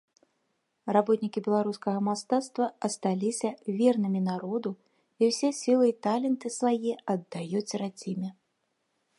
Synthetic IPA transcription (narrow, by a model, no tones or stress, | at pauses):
rabɔt̪nʲikʲibʲɛlˠaɾuskɐɣɐmast̪at̪st̪vɐɐst̪alʲisʲɐvʲɛrnɨmʲinaɾɔd̪u | iwsʲɛsʲilˠɨit̪alʲɛnt̪ɨsvajɛɐd̪ːajut͡sʲrad͡zʲimʲɛ